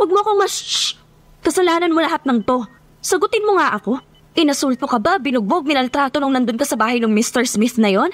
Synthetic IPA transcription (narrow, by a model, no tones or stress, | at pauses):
wɐɡ̚moɐko̞mɐst͡ʃ | kɐsɐlaːnɐnmolɐɦat̪̚nɐŋt̪o̞ | sɐɡʊt̪ɪnmoŋaʔɐko̞ | ʔɪnɐsult̪okɐbabɪnʊɡ̚boɡ̚mɪnɐlt̪ɾaːt̪o̞nʊŋnɐnd̪onkɐsɐbaːhɐjnʊŋmist̪ɛɹsmɪθnɐjo̞n